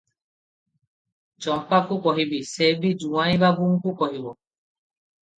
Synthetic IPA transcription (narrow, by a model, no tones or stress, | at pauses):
t͡ʃɔ̃pakukɔɦibisebid͡ʒũwãĩbaɡuŋkukɔɦibɔ